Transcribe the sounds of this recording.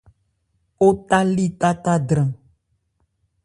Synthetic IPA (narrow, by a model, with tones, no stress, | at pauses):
o˦t̪a˦li˦t̪a˦t̪a˦ɖ̪ɾã˨